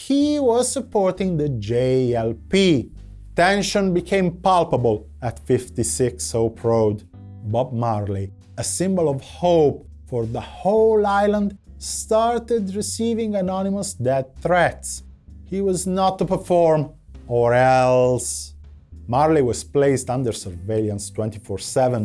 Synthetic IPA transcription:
hiwʌz̥səpɔɹt̪ɪ̃ŋðəd͡ʒeɛlpi | t̪ɛ̃nʃə̃nbikʰẽɪ̃mpalˠpəbəlˠ | ætfɪft̪isɪksoʊpʰɹoʊd | bɔb̚maɹli | əsɪ̃mbəlɔvhoʊp | fɔɹðəholajlə̃nd̪st̪aɹt̪ɪd̪ɹisivĩŋənɔniməsdɛd̪̚θɹɛt̪s | hiwɔznɔt̪ːupəɹfɔɹm | ɔɹɛls | maɹliwɔz̥pleɪst̪ãnd̪əɹsəɹveljãnst̪wɛ̃nt̪ifɔɹsɛvə̃n

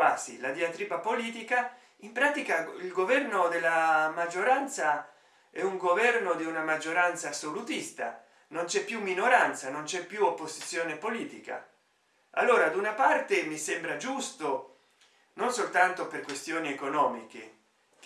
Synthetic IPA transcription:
aːsḭlad̪iat̪ɾiːbapoliːt̪ika | impɾaːt̪ikailɡovɛrnod̪elːamad͡ʒːoɾant̪sa | ɛuŋɡovɛrnod̪iunamad͡ʒːoɾant̪saːsːolut̪ist̪a̰ | nont͡ʃɛpːjumːinoɾant̪sanont͡ʃɛpːjuopːozi̥t̪sːjoːnepoliːt̪ika̰ | a̰lːoːɾad̪unapart̪emisembɾad͡ʒust̪o | nonsolt̪ant̪operkwest̪joːniekonɔːmikḛ

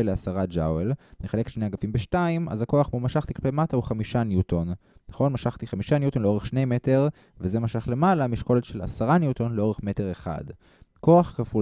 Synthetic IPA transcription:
eleasaʁad͡ʒawelneχale̞ke̥tʃnejaɡafimbeʃtaimʔa̰zako̞aχmumaʃaχt̪iklpejmatauχamiʃanjutonnaχo̞nmaʃaχt̪iχamiʃanjut̪onleo̞ʁeχʃne̞jme̞te̞ʁ | veze̞maʃaχle̞malamiʃko̞letʃe̞la̰saʁanjuto̞nleo̞ʁe̞χme̞teʁeχa̰d | ko̞aχkafu

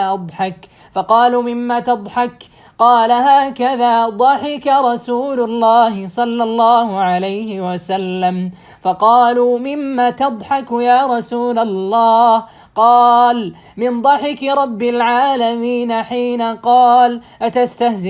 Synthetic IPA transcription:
ʔɑd̪ˤħɑk | fɑqɑːluːmɪmːaːt̪ɑd̪ˤħɑk | qɑːlaɦaːkaðaːd̪ˤɑħɪkaɾˤɑsuːlʊlːɑːhɪsˤɑlːɑlˤːɑːhʊʕalajhɪwasalːam | fɑqɑːluːmɪmːaːt̪ɑd̪ˤħɑkjaːɾˤɑsuːlalːɑːh | qɑːl | mɪnd̪ˤɑħɪkɾˤɑbːɪlʕaːlamiːnaħiːnaqɑːlʔat̪ast̪ahz

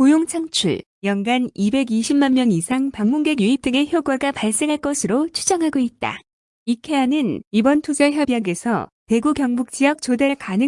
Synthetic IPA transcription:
kojoŋt͡ɕʰaŋt͡ɕʰṵɭ | jʌŋɡanibe̞ɡiɕʰimmanmjʌŋisʰaŋpaŋmuŋɡe̞ɡjuip̚t͈ɯŋe̞çjoɡwaɡapaɭs͈e̞ŋɦaɭk͈ʌsʰɯɾot͡ɕʰud͡ʑʌŋɦaɡoit̚t͈a̰ | ikʰe̞anɯnibʌntʰod͡ʑaçjʌbiɦaɡe̞sʰʌ̰te̞ɡukjʌŋbuk̚t͡ɕ͈iʌk̚t͡ɕodeɭkanɯ

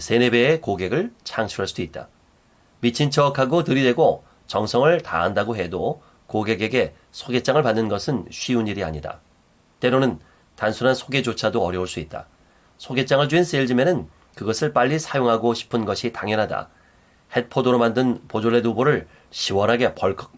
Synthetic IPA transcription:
sʰe̞ne̞be̞ːkoɡe̞ɡɯɭt͡ɕʰaŋɕʰiɾaɭs͈d̥uit̚t͈a̰ | mit͡ɕʰint͡ɕʰʌkʰaɡotɯɾidwe̞ɡo | t͡ɕʌŋsʰʌŋɯɭta̰ɦandaɡoɦe̞do | koɡe̞ɡe̞ɡe̞ | sʰoɡe̞t͡ɕ͈aŋɯɭpanːɯnɡʌsʰɯnɕʰɥiuɲiɾia̰ɲida̰ | t͈e̞ɾonɯn | tansʰunɦansʰoɡe̞d͡ʑot͡ɕʰadoʌɾjʌuɭs͈uit̚t͈a̰ | sʰoɡe̞t͡ɕ͈aŋɯɭd͡ʑuins͈eɭd͡ʑimenɯn | kɯɡʌsʰɯɭp͈aʎːisʰajoŋɦaɡoɕʰi̥pʰɯnɡʌɕʰitaŋjʌnɦada̰ | he̞t̚pʰodoɾomandɯnpod͡ʑoɭːeduboɾɯɭ | ɕʰiwʌnɦaɡe̞pʌɭkʰʌk̚

